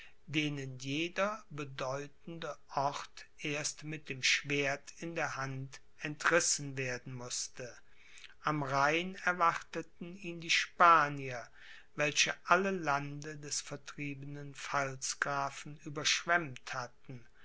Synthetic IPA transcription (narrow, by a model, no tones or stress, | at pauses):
deːnənjeːdɐbədɔʏtn̩dəʔɔʁtʔeːɐstmɪt̚d̥eːmʃv̥eːɐtɪndeːɐhant | ɛntʁɪsn̩veːɐdn̩mʊstə | ʔamʁaɪnɛɐvaʁtətn̩iːndiːʃpaːniɐ | vɛlʃəʔaləlandədɛsfɛɐtʁ̥iːbənənfalsɡ̥ʁaːfn̩yːbɐʃv̥ɛmthatn̩